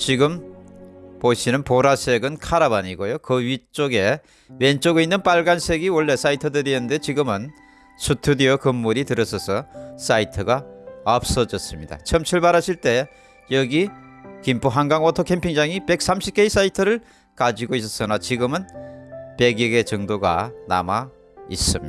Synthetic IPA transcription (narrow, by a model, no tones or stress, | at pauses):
t͡ɕiɡɯm | poɕʰinɯnpoɾasʰe̞ɡɯnkʰaɾabaɲiɡojokɯɥit͡ɕ͈oɡe̞ | went͡ɕ͈oɡeinːɯnpaɭɡansʰe̞ɡiwʌɭːe̞s͈aitʰɯdɯɾienɯnde̞t͡ɕiɡɯmɯn | sʰutʰudiʌkɯmːuɾitɯɾʌsʰʌsʰʌs͈aitʰɯɡaʌp̚s͈ʌd͡ʑʌs͈ɯmɲida̰t͡ɕʰʌmt͡ɕʰiɭbaɾaɕʰiɭt͈e̞ | jʌɡikimpʰuɦaŋɡaŋʌtʰokʰe̞mpʰiŋd͡ʑaŋipe̞k̚s͈amɕʰip̚k͈eis͈aitʰɯɾɯɭ | kad͡ʑiɡois̬͈ʌs͈ʌnat͡ɕiɡɯmɯnpe̞ɡjiɡe̞t͡ɕʌŋdoɡa̰na̰ma | ḭs͈ɯm